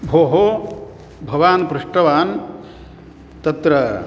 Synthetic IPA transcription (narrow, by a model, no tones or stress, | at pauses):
bʱoːɦo | bʱɐʋaːnpɾuʂʈɐʋaːn | t̪ɐt̪ɾɐ